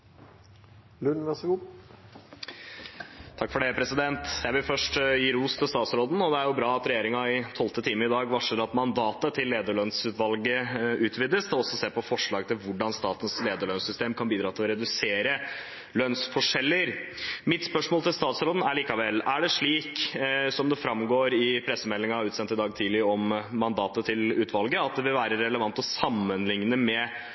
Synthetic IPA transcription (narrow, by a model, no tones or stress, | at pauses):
lʉnʋæʂɡuː | t̪ʰɑkːfɔɖɛpʰɾɛsɪd̪ɛnt̪jæɪʋɪlfœʂʈjiːɾuːst̪ʰɪlst̪ɑːt̪sɾoːd̪n̩ɔd̪ɛæɾjʊbɾɑːɑt̪ɾɛjeːɾɪŋɑɪt̪ʰɔlt̪ət̪ʰiːməɾɪd̪ɑːɡʋɑʂəɾɑt̪mɑnd̪ɑːt̪ət̪ʰɪlːeːd̪əɭœnsʉːt̪ʋɑlɡəʉːt̪ʰʋiːd̪əsd̪ɛɔsɔseːɾpɔfɔʂɭɑːɡt̪ʰɪlʋʊɖɑnst̪ɑːt̪ənsleːd̪əɭœnsʏst̪eːmkʰɑnbiːd̪ɾɑːt̪ʰɪɔɾɛd̪ʉseːɾə | lœnsfɔʂɛlːəɾmɪt̪spœʂmoːlt̪ɪlst̪ɑːt̪sɾoːd̪n̩æɭiːkɑʋɛlːæɖɛʂɭiːksɔmd̪ɛfɾɑmɡoːɾɪpʰɾɛsːəmɛlːɪŋɑʉːt̪sɛnt̪ɪd̪ɑːɡt̪ʰiːlɪɾəɔmːɑnd̪ɑːt̪ət̪ʰɪlʉːt̪ʰʋɑlɡəɑt̪̚d̪ɛʋɪlʋæːɾəɾɛləʋɑnt̪ɔsɑmːənlɪŋnəmɛ